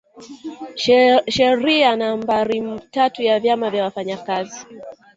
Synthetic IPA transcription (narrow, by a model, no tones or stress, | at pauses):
ʃɛɾianambaɾimtatujavjamavjawafaɲakazi